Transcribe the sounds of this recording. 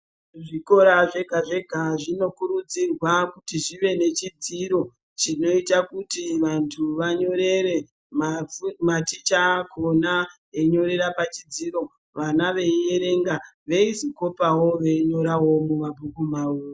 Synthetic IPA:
ʐiko̞ɾaʐe̞ɡʱaʐe̞ɡʱaʐino̞kuɾud͡zirwakutiʐiʋe̞ne̞t͡ʃid͡ziɾo̞ | t͡ʃino̞itakutiʋantʰuʋaɲo̞ɾe̞ɾe̞ | mmatit͡ʃakʰo̞na | eɲo̞ɾe̞ɾapat͡ʃid͡ziɾo̞ | ʋanaʋe̞je̞ɾe̞ŋɡaʋe̞iziko̞pawo̞ʋe̞ɲoɾawo̞mumabʱukumauːro

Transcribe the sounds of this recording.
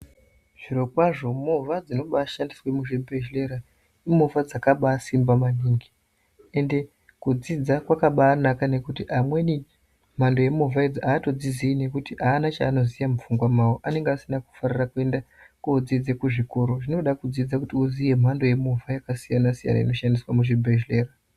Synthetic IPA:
ʐ̥iɾo̞kwaʐo̞muvad͡zino̞ɓaːʃandiswe̞muʐibʱeʒle̞ɾa | imuvad͡zakaɓaːsimbamaniːŋɡi | e̞nde̞ | kud͡zid͡zakwakaɓaːnakane̞kutiʔamwe̞ni | m̤ando̞je̞muvaed͡zoaːto̞d͡ziziine̞kutiʔaːnat͡ʃaːno̞zijamufuŋɡwamaoʔane̞ŋɡeasinaku̥farirakue̞nda | koːd͡zid͡ze̞kuʐiko̞ɾo̞ʐino̞ɗakud͡zid͡zakutiuzije̞m̤ando̞je̞muvajakasijanasija̰na̰ḭno̞ʃandiswamuʐibʱeʒle̞ːra

